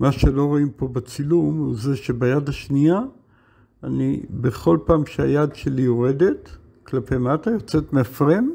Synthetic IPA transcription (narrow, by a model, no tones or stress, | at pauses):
maʃe̞lo̞ʁaimpo̞bat͡silumhuzeʃe̞bajadaʃniaː | nḭbeχo̞lpaːmʃeajadʃelijoʁe̞de̞t | klape̞jmatajot͡se̞tmeafʁen